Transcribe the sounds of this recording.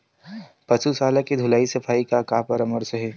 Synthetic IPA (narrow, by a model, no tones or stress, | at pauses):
pɐt͡ʃusaːlakid̪ʱʊlaːisɐpʰaːikakapɐɾɐməɾseɦɛː